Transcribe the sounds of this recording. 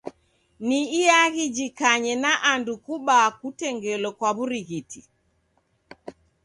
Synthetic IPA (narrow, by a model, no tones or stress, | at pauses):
niːaɣid͡ʒikaɲɛnaʔandukuɓaːkutɛŋɡɛlɔkwaβuɾiɣiti